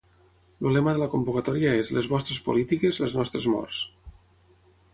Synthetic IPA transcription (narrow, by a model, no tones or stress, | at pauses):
lulɛmaðəlakombukat̪ɔɾiaezlezβɔst̪ɾespolit̪ikezleznɔst̪ɾezmɔ̰rs